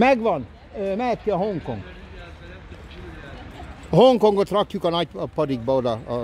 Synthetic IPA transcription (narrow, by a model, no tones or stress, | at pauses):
mɛɡʋɒn | ømɛɦɛt̪ːiɒɦoŋko̰ŋɡ | hoŋkoŋɡot̪rɒkjukɒnɒcpɒd̪iɡ̚bɒod̪ɒ